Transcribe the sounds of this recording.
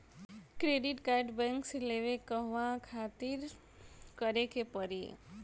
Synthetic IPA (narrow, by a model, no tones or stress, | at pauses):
kɾeːɖɪʈkaɪɖbɛ̃ŋkseleʋekəɦʋãkʰaːt̪ɪɾ | kəɾekepəɾḭ